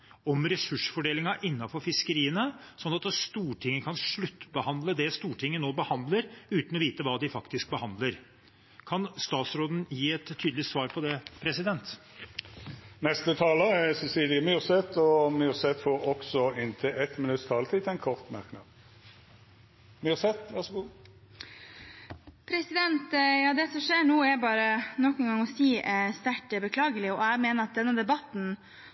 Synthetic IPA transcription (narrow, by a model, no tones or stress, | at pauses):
ɔmɾɛsʉʂfɔɖeːlɪŋɑʔɪnːɑfɔɾfɪskəɾiːənəsɔnːɑt̪st̪uːʈʰɪŋːəkʰɑnʂɭʉt̪ːbəhɑnd̪ləd̪ɛst̪uːʈʰɪŋːənoːbəhɑnd̪ləɾʉːt̪nɔʋiːt̪əʋɑːd̪ɪfɑkt̪ɪsk̚bəhɑnd̪ləɾ | kʰɑnst̪ɑːt̪sɾoːd̪n̩jiːɛt̪ʰːyːd̪lɪsʋɑːɾpʰɔd̪ɛpʰɾɛsɪd̪ɛnt̪ | nɛst̪ət̪ʰɑːləæsɛsiːlɪəmyːʁsɛt̪ɔmyːʁsɛt̪foːɾɔksɔɪnt̪ʰəʔɛt̪mɪnʉt̪t̪ʰɑːlət̪ʰiːt̪ʰɛɪnkʰɔʁt̪mæ̰ʁknɑ̰ːd̪ | myʁsɛt̪ʋæʁsɔɡuː | pʰɾɛsɪd̪ɛnt̪jɑːd̪ɛsɔʂeːnuːɛɾbɑːɾənɔkːɛnɡɑŋɔsiːst̪æʈəbəkʰlɑːɡəlɪɔɛɡmeːnəɾɑt̪̚d̪ɛnːəd̪ɛbɑt̪n̩